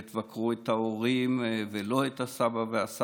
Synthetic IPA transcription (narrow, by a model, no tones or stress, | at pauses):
t̪vakʁuet̪aoʁimvelo̞et̪asabaveasa